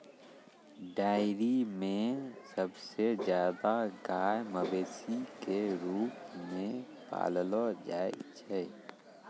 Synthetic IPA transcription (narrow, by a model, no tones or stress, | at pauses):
ɖaːɪɾimẽsəbsezjaːd̪aɡaːjməbeːsikeɾuːpmẽ | pa̰ːllod͡ʒaːḛt͡ʃɛ